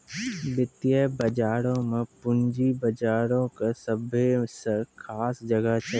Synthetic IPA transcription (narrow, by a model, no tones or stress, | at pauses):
bɪt̪jəbɐd͡ʒaːɾõmẽpʊɲd͡ʒibɐd͡ʒaːɾõkesɐbʱeskʰaːsd͡ʒɐɡəɦt͡ʃʰɐ